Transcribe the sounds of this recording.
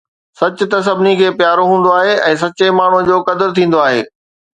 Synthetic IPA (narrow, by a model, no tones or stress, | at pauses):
sɐt͡ɕʊ̆t̪ɐs̬ɐbʱɪnikʰeːpjaːɾoɦũːn̆d̪oaːɦeʔɛ̃ːs̬ɐt͡ɕemaːɳ̤ũd͡ʑoːkɐd̪ɪɾt̪ʰĩːn̆d̪oaːɦḛː